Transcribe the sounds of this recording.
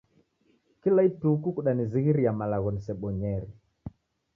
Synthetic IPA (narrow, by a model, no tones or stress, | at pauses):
kilaitukukuɗaniziɣiɾijamalaɣɔnisɛɓɔɲɛɾi